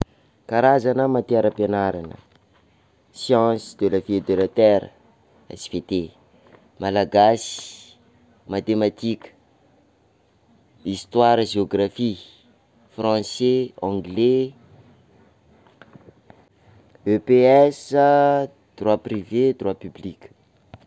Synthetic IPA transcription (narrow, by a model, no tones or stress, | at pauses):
kaɾazanəmat̪eɛɾəpenaɾanə̰ | sjɑ̃sid̪elafied̪elət̪ɛɾə̰ | ḛsfet̪e | malaɡasi̥ | mat̪emat̪ikə̥ | ist̪waɾəʒeoɡrafi | frɑ̃seɑ̃ɡle | øpeɛsə | d̪̥rwaprived̪rwapyblikʲə̥